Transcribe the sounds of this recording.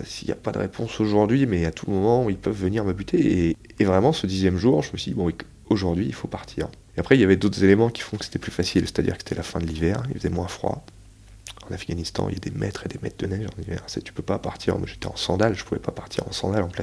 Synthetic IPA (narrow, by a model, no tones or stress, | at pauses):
silja̰pad̪əʁḛpʰɔ̃soʒuʁd̪ɥimɛat̪ʰuləmɔmɑ̃uilpœvːəniʁməbyt̪ʰeeː | vʁɛmɑ̃səd̪izjɛmʒuʁʒəməsɥid̪ibɔ̃ɛk | oʒuʁd̪ɥiːlfopaʁt̪ʰiʁ | eapχɛiljavɛd̪ot̪χəzelemɑ̃kʲi̥fɔ̃kə̥se̥t̪ɛplyfasilse̥t̪ad̪ḭʁkə̥se̥t̪ɛlʔafɛ̃d̪əlivɛʁilfəzɛmwɛ̃fχwa̰ | ɑ̃nafɡanist̪ɑ̰̃lad̪emɛ̰t̪χed̪emɛ̰t̪̚d̪ənɛʒɑ̰̃nivɛ̰ʁsɛt̪y̥pøpapaʁt̪ʰiʁmwaʒet̪ɛɑ̃sɑ̃d̪alʒəpuvɛ̰papaʁt̪ʰiʁɑ̰̃sɑ̰̃d̪alɑ̃plɛ